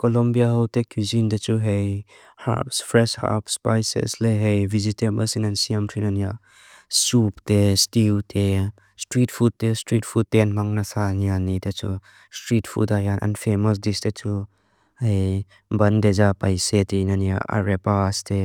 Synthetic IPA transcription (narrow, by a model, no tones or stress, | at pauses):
kɔlɔmbijaɦɔwtekʰjuzindet͡suɦej | ha̰psfɾɛsha̰pspajsḛsleɦejvizitemɐsinansiɐmtʰinɐnia | suptestiwtʰe | stɾitfʰut̚testɾitfʰud̚teanmaŋnasanianidɐt͡su | stɾitfʰṵtajanʔɐ̰nfemɔs̬distet͡su | hej | bɐndezapajsetinania̰ʔa̰ɾepaste